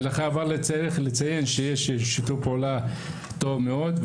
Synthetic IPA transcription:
laχaːvaʁlet͡seʁeχlet͡sajenʃejeʃʃitupeula | t̪o̞vmeo̞d̪

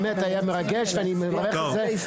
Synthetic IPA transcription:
met̪ajameʁaɡeʃveanimevaʁeχeze

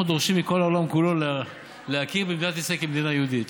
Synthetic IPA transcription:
ud̪oʁʃimːiko̞laolamkulo̞l | leakiʁbemd̪inat̪esekimed̪inajeud̪it̪

